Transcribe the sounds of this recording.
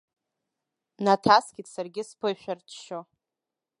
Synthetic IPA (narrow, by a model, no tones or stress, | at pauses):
natʰasɡʲɪtsarɡʲɪspʰɨjʃʷᶣartʰʃo